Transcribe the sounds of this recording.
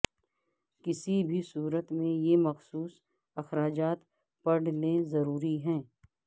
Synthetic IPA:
kɪsibʱisuːɾət̪mẽjemɐxsuːs | ɐxɾaːd͡ʒaːt̪ | pɐɽ̤lezɐɾuːɾiɦɛ̃ː

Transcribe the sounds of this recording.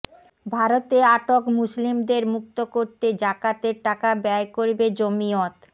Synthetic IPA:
bʱaɾot̪eaʈokmuslimd̪eɾmuk̚t̪okoɾt̪ed͡ʑakat̪eɾʈakabɛaekoɾbed͡ʑomiot̪

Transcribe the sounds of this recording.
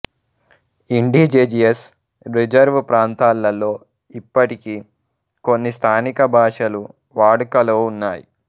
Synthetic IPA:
iɳɖiːd͡ʒeːd͡ʒies | ɾid͡ʒɐɾʋpɾaːnt̪aːlːɐlo̞ː | ipːɐʈiki | ko̞nːist̪ʰaːnikɐbʱaːʂɐlu | ʋaːɽukɐloːunːaːjḭ

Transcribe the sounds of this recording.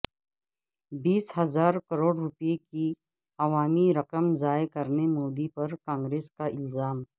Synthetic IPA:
biːsɦɐzaːɾkɐɾoːɽɾʊpjeki | ɐʋaːmiɾɐqəmzaːjekɐɾnemoːd̪ipɐɾkãːŋɡɾeːskaʔɪlzaːm

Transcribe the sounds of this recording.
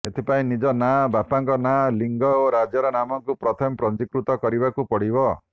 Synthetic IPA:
et̪ʰipaĩnid͡ʒɔnabapaŋkɔnaliŋɡɔoɾad͡ʒɔɾɔnamɔŋkupɾɔt̪ʰɔmɔpɾɔnd͡ʒikɾut̪ɔkɔɾibakupɔɽibɔ

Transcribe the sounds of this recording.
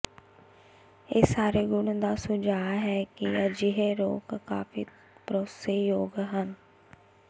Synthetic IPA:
eːsaːɾeːɡʊnd̪aːsʊd͡ʒaːɦɛːkɪəd͡ʒɪɦeːɾo̰ːkka̰ːfʰḭː | pɾoːseːjoːɡɦən

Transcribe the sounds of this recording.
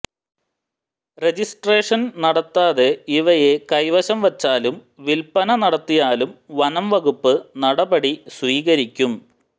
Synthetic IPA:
red͡ʑisʈre̞ːʂɐnnɐɽɐt̪ːaːðeiʋɐje̞kɐjʋɐɕɐmʋɐt͡ɕːaːlum | ʋilpɐnɐnɐɽɐt̪ːijaːlumʋɐnɐmʋɐɣupːɨnɐɽɐbɐɽisʋiːɣɐɾikʲːum

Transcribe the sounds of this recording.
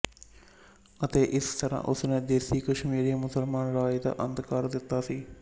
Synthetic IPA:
ɐt̪eːʔɪst̪ʰɐɾã̰ʔʊsnẽd̪eːsiːkɐʃmiːɾijɐmʊsəlmaːnɾaːjd̪a̰ʔɐnd̪kaːɾd̪ɪt̪ːaːsiː

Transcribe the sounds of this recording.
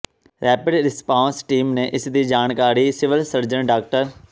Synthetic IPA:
ɾɛːpɪɖɾɪspãːnsʈiːmneːʔɪsd̪iːd͡ʒaːɳkaːɾiːsɪʋəlsəɾd͡ʒənɖaːk̚ʈəɾ

